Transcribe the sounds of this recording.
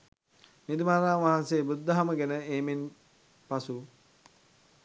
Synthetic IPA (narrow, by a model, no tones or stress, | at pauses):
nid̪imaɾaːnʋaɦanseːbud̪ːəɦaməɡɛnəeːmen | pasu